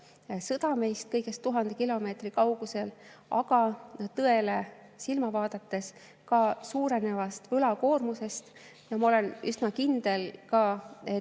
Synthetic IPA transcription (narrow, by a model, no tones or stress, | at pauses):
sɤd̪̥ɑme̞jst̪̚kɤjɡ̥e̞st̪ːuɦɑnd̪̥ekilo̞me̞ːt̪rikɑwɡ̥use̞l | ɑ̰ɡɑt̪ɤe̞le̞ | silmɑvɑːd̪̥ɑt̪ːe̞s | kɑsuːɾe̞ne̞vɑst̪vɯlɑko̞ːrmuse̞st̪ | jɑmɑo̞le̞nysnɑkind̪̥e̞lkɑe